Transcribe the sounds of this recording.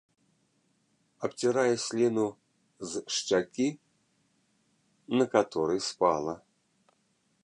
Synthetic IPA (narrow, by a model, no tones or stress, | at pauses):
ɐpt͡sʲiɾajɛsʲlʲinu | zʂt͡ʃakʲi | nɐkat̪ɔɾɨjspalˠɐ